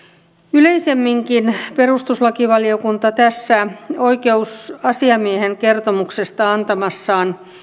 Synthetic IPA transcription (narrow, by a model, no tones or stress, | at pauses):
yleisemːiŋkinperust̪uslɑkiʋɑliokunt̪ɑt̪æsːæo̞ikeusɑsiɑmieheŋke̞rt̪omuksest̪ɑɑnt̪ɑmɑsːɑːn